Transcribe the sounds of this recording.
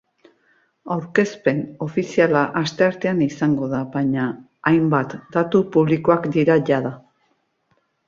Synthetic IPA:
awɾke̞spe̞no̞fisialaʔast̪e̞aɾt̪e̞anisaŋɡo̞ðaβaɲaː | jmbat̪d̪at̪upuβliko̞akd̪iɾaʝaða

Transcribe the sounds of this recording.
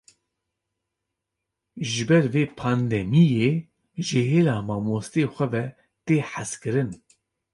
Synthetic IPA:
ʒɨbɛɾveːpʰɑːnd̪ɛmijeː | ʒɨɦeːlaːmɑːmoːst̪eːxʷɛvɛ | t̪eːħaskɨɾɨn

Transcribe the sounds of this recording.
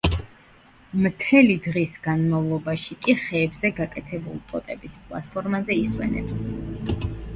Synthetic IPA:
mt̪ʰɛlid̪ʁisɡanmavlˠɔbaʃikʼiχɛːbzɛɡakʼɛt̪ʰɛbulipʼɔt̪ʼɛbispʼlˠa̰t̪pʰɔɾmazɛiswɛ̰nɛ̰ps

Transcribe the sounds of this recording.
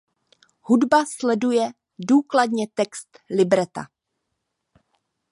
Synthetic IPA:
hudbaslɛdujɛ | duːkladɲɛt̪ɛkst̪lɪbɾɛt̪a̰

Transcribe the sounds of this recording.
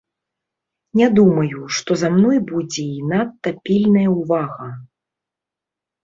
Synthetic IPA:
nʲɛd̪umɐjuʂt̪ɔzamnɔjbud͡zʲɛinat̪ːɐpʲilʲnɐjɐuvaɣɐ

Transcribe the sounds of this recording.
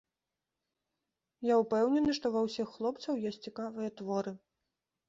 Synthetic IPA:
jaupɛwnʲɛnɨʂt̪ɔvɐwsʲixːlˠɔpt̪sɐwjɔsʲtʲt͡sʲikavɨjɐt̪vɔɾɨ

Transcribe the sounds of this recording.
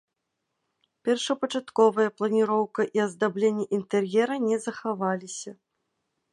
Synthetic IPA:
pʲɛrʂɐpɐt͡ʂat̪kɔvɐjɐplˠɐnʲiɾɔwkɐʔiɐzd̪ablʲenʲːɛʔint̪ɛrjɛɾɐnʲɛzɐxavalʲisʲɐ

